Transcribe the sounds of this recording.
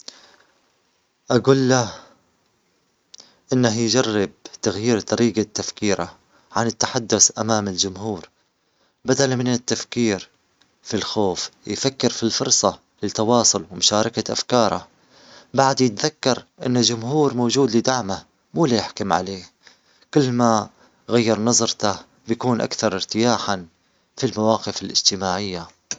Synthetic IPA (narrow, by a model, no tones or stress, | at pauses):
ʔaɡuːlːa | ʔɪnːahjd͡ʒarːɪb̚t̪aɣjiːɾt̪ˤɑɾiːɡat̪ːafkiːɾa̰ | ʕanɪt̪ːaħad̪ːʊθʔamaːmɪld͡ʒʊmhuːɾ | bad̪almɪnɪt̪ːafkiːɾ | filxoːfjfakːɪɾfilfʊɾˤsˤɑ | lɪt̪ːɑwɑːsˤʊlwmʊʃaːɾˤɑkaʔa̰fkɑːɾˤa̰ | baʕd̪jɪt̪ðakːɑɾˤʔɪ̰nːald͡ʒʊmhuːɾmoːd͡ʒuːd̪lɪd̪aʕma | muːlajɪħkʊmʕa̰leː | kɪlːma | ɣajːɑɾˤnɑzˤɾt̪a | bjakuːnʔa̰kθɑɾˤɪɾt̪ɪjaːħan | filmawɑːqɪfɪlʔɪ̰d͡ʒt̪ɪmaːʕɪjːa